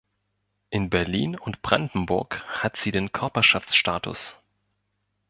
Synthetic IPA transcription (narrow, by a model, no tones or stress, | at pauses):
ʔɪnbɛɐliːnʊntb̥ʁandn̩bʊɐkhatz̥iːdeːnkʰœɐpɐʃaft͡sʃtaːtʰʊ̰s